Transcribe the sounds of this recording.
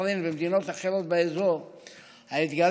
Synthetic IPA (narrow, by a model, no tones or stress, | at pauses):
linbemd̪ino̞t̪aχeʁot̪̚beezoʁ | hait̪ɡal